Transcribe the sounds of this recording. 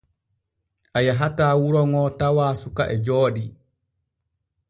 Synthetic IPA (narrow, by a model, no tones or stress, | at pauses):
ʔajaɦataːwuɾɔŋɔtawaːsukaʔɛd͡ʒɔːɗi